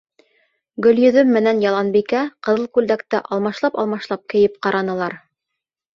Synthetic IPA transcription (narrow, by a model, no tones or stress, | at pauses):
ɡɵ̆ljɵ̆ðɵmːɘ̆nænjɑlˠɑnbikæqɤ̆ðɤlˠkʉld̪ækt̪ɘʔɑlˠmɑʃlˠɑpɑ̰lˠmɑʃlˠɑp̚kɘ̆jɘp̚qɑɾʔɑnɤ̆lˠɑɾ